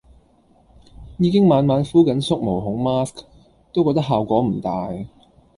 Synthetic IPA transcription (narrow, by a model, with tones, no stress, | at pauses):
jiː˨˧kɪ˥ŋmaː˨˧nmaː˨˥nfuː˥kɐ˨˥nsʊ˥k̚mo˨˩wɦʊ˨˥ŋmaː˥sk | t̪o˥wkɔː˧k̚t̪ɐ˥ɦaː˨wkʷɔː˨˥m̩˨˩t̪aː˨j